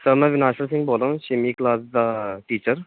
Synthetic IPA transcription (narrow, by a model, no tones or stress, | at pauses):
səmɛ̃ʋinaːʃəɾsĩŋɡboːlãɕimiklaːsd̪aʈiːt͡ɕəɾ